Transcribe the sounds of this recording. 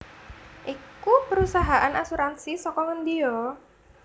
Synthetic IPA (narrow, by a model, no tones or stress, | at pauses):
ʔikupəɾusaɦaʔanasuɾansisɔkɔŋənd̪iɔ